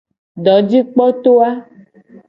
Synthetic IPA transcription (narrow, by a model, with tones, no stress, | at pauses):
ɖɔ˨˦d͡ʑi˦k͡pɔ˦t̪o˦a˦